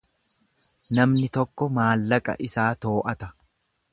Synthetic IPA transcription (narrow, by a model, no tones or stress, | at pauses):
nɐmnɪt̪ɔkːɔmaːlːɐkʼɐ̰ʔɪsaːt̪o̞ːʔɐt̪ɐ